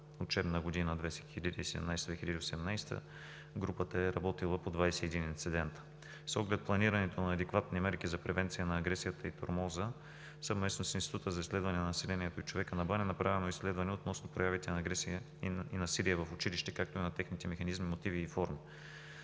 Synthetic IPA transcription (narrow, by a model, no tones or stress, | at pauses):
ot͡ʃɛbnəɡod̪inəd̪vɛsɛxilʲəd̪iːsɛd̪ɛ̰mnajsd̪vɛxilʲʎəd̪iosɛɛmnajst̪ə̰ | ɡɾupət̪əɛɾɐbɔt̪ilˠəpod̪vajsɛːd̪inint̪sid̪ɛnt̪ə̥ | sɔɡlɛt̪̚plˠɐniɾɐnɛt̪onɐːd̪ɛkvat̪nimɛɾkizɐpɾɛvɛnt̪sijənɐːɡɾɛsijət̪əit̪o̰ɾmɔzə | səvmɛsnosinst̪i̥t̪ut̪əzɐislɛd̪vɐnɛnɐnɐsɛlɛniɛt̪oit͡ʃovɛkənɐbanɛnɐpɾavɛnoislɛd̪vɐnɛot̪nɔsnopɾojavit̪ɛnɡɛsiə | inɐsiɾijəvɐfʊt͡ʃiliʃt̪ɛkak̚t̪oinɐt̪ɛxnit̪ɛmɛxɐnizmimot̪iviːfɔɾmi